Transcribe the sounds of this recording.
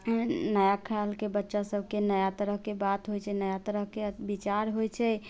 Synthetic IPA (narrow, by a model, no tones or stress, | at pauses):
nəjakʰalkebətːʃasəbʱkenəjat̪əɾəɦkebat̪ɦojt͡ʃʰɛnəjat̪əɾəɦkebit͡ʃaɾɦojt͡ʃʰɛ